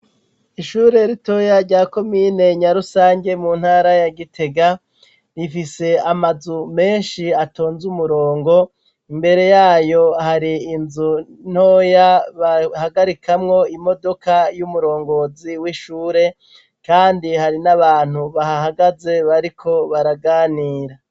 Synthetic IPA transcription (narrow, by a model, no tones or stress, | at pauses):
iʃuːɾe̞ɾito̞jaɾɟaːko̞mine̞ɲaɾusaːɲɡe̞mun̥haːɾajaɡitʰe̞ɡa | ɾifise̞amazume̞nʃiato̞ːnzumuɾo̞ːŋɡo̞ | imbe̞ɾe̞jaːjo̞haɾiːnzun̥o̞jaβahaɡaɾikʰamŋo̞imo̞do̞kajumuɾo̞ːŋɡo̞ziwiʃuːɾe̞ | kaːndihaɾinaβaːn̥huβahahaɡaze̞βaɾikʰo̞βaɾaɡaːniːɾa